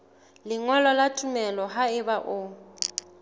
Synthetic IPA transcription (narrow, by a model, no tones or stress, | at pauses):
lɪŋɔlɔlatʼumɛlɔɦaɪbaʔʊ